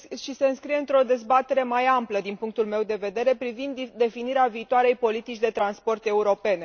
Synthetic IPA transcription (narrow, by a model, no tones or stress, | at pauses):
ʃise̞ɨnskɾije̞ɨnt̪ɾo̞d̪e̞zbat̪e̞ɾe̞majampləd̪inpuŋk̚t̪ulme̞wd̪e̞ve̞d̪e̞ɾe̞pɾivind̪d̪e̞finiɾeaviːt̪oaɾe̞jpo̞lit̪it͡ʃʲd̪e̞t̪ɾanspo̞rt̪e̞uɾo̞pe̞ne